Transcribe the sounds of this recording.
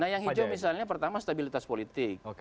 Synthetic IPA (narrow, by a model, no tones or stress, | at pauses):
nahjaŋɦid͡ʒmis̬alɲap̬ərt̪amast̪abilit̪aspolit̪ɪk̚